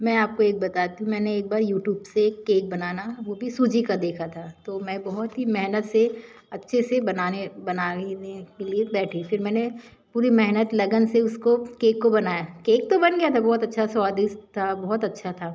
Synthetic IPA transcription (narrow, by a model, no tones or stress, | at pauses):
mɛ̃aːp̚koeːk̚bɐt̪aːt̪iũmɛ̃ːneeːk̚baːɾjuːʈjuːbseːkːeːk̚bɐnaːnaʋoːbʱisuːd͡ʒikad̪eːkʰat̪ʰaːt̪oːmɛ̃ːbɔɦɔt̪ɦimɛɦnət̪se | ɐtːʃʰesebɐnaːnebɐnaːnekeliebɛːʈʰifɪɾmɛ̃ːne | puːɾimɛɦnət̪lɐɡənseʊskokeːkːobɐnaːjakeːk̚t̪obɐnɡɐjat̪ʰabɔɦɔt̪ɐtːʃʰaswaːd̪ɪst̪ʰabɔɦɔt̪ɐtːʃʰat̪ʰaː